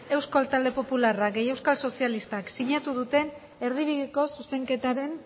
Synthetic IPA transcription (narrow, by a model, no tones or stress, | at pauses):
e̞wskalt̪ald̪e̞po̞pularaɡe̞je̞wskalso̞sialist̪aksiɲat̪uð̞ut̪e̞n | e̞ɾðiβ̞iðiko̞suse̞ŋke̞t̪aɾe̞n